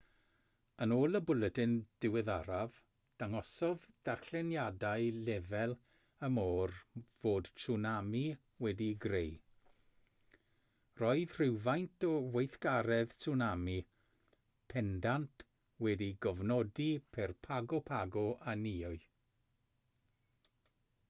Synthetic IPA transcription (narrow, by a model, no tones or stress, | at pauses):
ənoːlˠəbʊlˠətɪnd̥ɪwɪðaɾav | d̥aŋɔsɔðd̥arɬɛnjadaɨlɛvɛlˠ | əmoːrvoːd̥tunami | wɛdiɡrej | rɔɨð̥r̥ɪwvajntʰɔwejθɡaɾɛð̥sunami | pʰɛndantʰ | wɛdiɡɔvnɔdipʰɛrpʰaɡɔpʰaɡɔʔaniʊɨ